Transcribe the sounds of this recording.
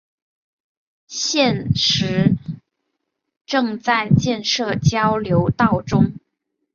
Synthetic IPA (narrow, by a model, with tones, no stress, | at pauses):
ɕjɛ˥˧nʂɻ̩˧˥ | ʈ͡ʂɤ˥˧ŋt͡sa˥˧ɪt͡ɕjɛ˥˧nʂɤ˥˩t͡ɕjɑ˥ʊljo˧˥ʊt̪ɑ˥˩ʊʈ͡ʂʊ˥ŋ